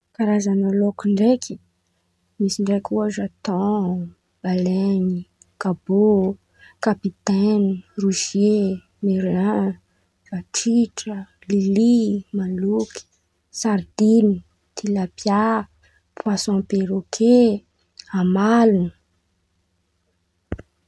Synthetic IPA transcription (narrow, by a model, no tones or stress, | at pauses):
kaɾazanalokiɳɖ͡ʐekʰi̥ | misiɳɖ͡ʐekuaʒat̪ɔ | b̥alɛni | kabo | kapit̪ɛniruʃje | meɾã | v̥aʈ͡ʂiʈ͡ʂə | lilimaluki̥ | saɾd̪ini | t̪ʰilapja | pwasɔ̃peɾokʰe | amalunə